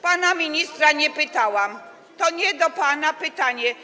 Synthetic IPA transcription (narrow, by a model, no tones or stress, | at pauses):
panamʲiɲist̪ɾaɲɛpɘt̪awam | t̪ɔɲɛd̪ɔpanapɘt̪aɲɛ